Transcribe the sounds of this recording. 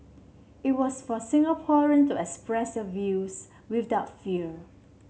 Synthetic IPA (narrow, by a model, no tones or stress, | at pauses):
it̚wɔsfɔsɪ̃ŋapʰɔɹə̃ntuɛkspɹɛsdəvjus | widaʊtfiə